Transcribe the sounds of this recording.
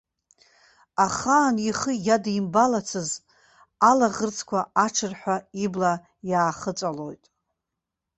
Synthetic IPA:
aχaːniχəjadimbalat͡sʰɨz | alaʁərt͡sʰkʷʰaaʈ͡ʂʰɨrħʷᶣaibla | jaːχət͡sʼalo̞̰jtʼ

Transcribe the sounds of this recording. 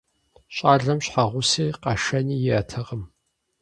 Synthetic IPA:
ɕʼaːɮɐmɕħaʁʷʊsiːqɐʂɐniːjɪɐtʰɐʁəm

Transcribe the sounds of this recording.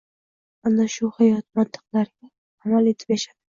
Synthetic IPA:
anaʃʊhajɒt̪̚mant̪ʰɨ̥qlaɾɪɡʲa | amale̞t̪ʰɪ̥pjaʃad̪̥ɪ

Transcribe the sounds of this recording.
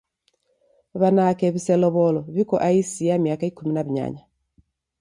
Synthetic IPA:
βanakɛβisɛlɔβɔlɔβikɔʔaisiamiakaikuminaβiɲa̰ɲa

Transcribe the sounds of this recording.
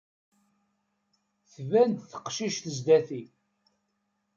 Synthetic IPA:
θvænd̪θə̥qʃiʃθəzd̪æθi

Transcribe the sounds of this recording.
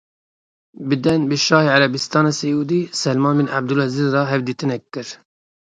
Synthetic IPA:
bɨd̪ɛnbɨʃɑːheːʕaɾɛbist̪ɑːnɑːsɛjuːd̪iːsɛlmɑːnminʔab̚d̪ulɛziːzrɑːɦɛvd̪iːt̪ɨnɛkːɨɾ

